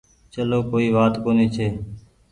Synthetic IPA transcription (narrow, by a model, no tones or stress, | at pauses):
t͡ʃəloːkoːiːʋaːt̪koːniːt͡ʃʰeː